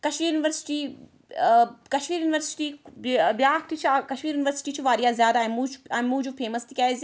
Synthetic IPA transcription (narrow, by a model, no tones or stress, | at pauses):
kɐʃmiːɾjunɪʋəɾsɪ̥ʈiː | kɐʃmiːɾjuːnɪʋəɾsɪ̥ʈiːbjaːk̚t̪it͡ʃʰiakɐʃmiːɾjunɪʋəɾsɪ̥ʈiːt͡ʃʰiʋaːɾijaːzʲjaːd̪amũt͡ʃɐmũːd͡ʒupʰeːmɐst̪ikʲaːz